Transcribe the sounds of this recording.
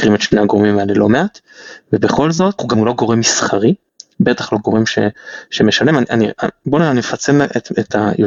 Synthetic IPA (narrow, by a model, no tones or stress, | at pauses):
kʁimet̪ʃneaɡoʁmimaelelo̞me̞ʔat̪ | vebe̞χo̞lzo̞t̪huɡamulo̞ɡo̞ʁemisχaʁi | betaχlo̞ɡo̞ʁe̞mʃḛʃemeʃale̞maniʔaniaboneanimefat͡semetet̪ʰajo